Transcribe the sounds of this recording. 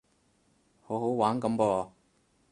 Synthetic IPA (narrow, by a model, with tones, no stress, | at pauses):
ho˨˥who˨˥wwaː˨˥nkɐ˨˧˥mpɔː˧